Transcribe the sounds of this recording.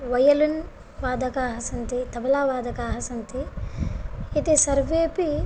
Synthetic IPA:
ʋɐjɐlun | ʋaːd̪ɐkaːɦɐsɐnt̪it̪ɐbɐlaːʋaːd̪ʱɐkaːɦɐsɐnt̪i | it̪esɐɾʋeːpi

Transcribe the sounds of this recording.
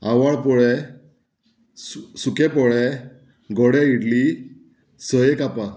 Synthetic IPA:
awaɭpɔɭɛ | ssukɛ̃pɔɭɛ | ɡɔɽɛiɽli | səjekapa

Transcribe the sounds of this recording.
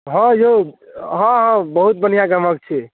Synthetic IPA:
ɦɔ̃joɦɔ̃ɦɔ̃bəɦut̪̚bənijaɡəmək̚t͡ʃʰi

